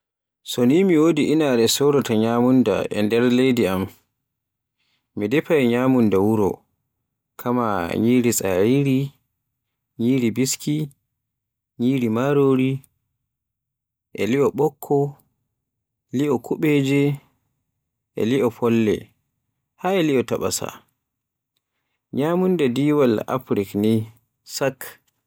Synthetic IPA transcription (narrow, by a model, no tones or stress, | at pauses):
sonimiwodiʔinaɾɛsɔɾɔtaɲaːmunda̰ʔɛ̰ndɛɾlejdiam | midɛpajɲaːmundawuɾɔ̰ | kʰama̰ɲiːɾisʼaiɾi | ɲiːɾibiski | ɲiːɾimaɾoɾi | ʔɛliʔɔɓɔkʰːɔ | liʔɔkʰuɓɛd͡ʒɛ | ʔɛ̰liʔɔpʰɔlːɛ̰ | haɛliɔtaɓa̰sa̰ | ɲamundadiːwala̰fɾikni | sak